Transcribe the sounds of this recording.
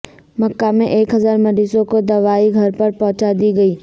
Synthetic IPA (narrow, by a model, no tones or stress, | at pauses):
mɐkːamẽʔeːkɦɐzaːɾmɐɾiːsõkod̪ɐʋaːiɡʱɐɾpɐɾpɐ̃ɦʊ̃t͡ʃad̪iɡɐiː